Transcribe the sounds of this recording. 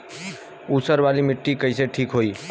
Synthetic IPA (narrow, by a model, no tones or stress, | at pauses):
usəɾbalimiʈːikəɪseʈʰikɦoi